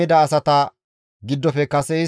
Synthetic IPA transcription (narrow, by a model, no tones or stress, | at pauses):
ɪd̪ɐːsɐt̪ɐ | ɡɪd̪ːɔfɛkɐsɛɪ